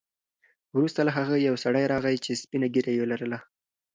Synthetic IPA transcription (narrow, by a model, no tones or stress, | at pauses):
wɾust̪alaɦaɣəjawsaɽajɾɑɣajt͡ʃespinaɡeɾajelaɾəla